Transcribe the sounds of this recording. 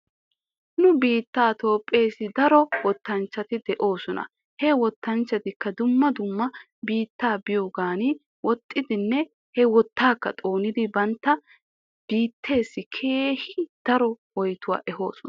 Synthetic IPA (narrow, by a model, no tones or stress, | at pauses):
nʊbiːt̪ːaːt̪o̞ːpʼːe̞ːsɪd̪ɐɾɔwɔt̪ːɐnt͡ʃːɐt̪ɪd̪ɛʔo̞ːsɔnɐ̰ | hɛwɔt̪ːɐnt͡ʃːɐt̪ɪkːɐd̪ʊmːɐd̪ʊmːɐ | biːt̪ːaːbɪjoːɡaːnɪ | wɔt̪ʼːɪd̪ɪnːɛ | hɛwɔt̪ːaːkːɐt̪ʼo̞ːnɪd̪ɪbɐnt̪ːɐ | b̥iːt̪ʰːe̞ːsːɪkʰeːhɪd̪̥ɐɾɔwɔjt̪ʊwa̰ːʔɛɦo̞̰ːsɔnɐ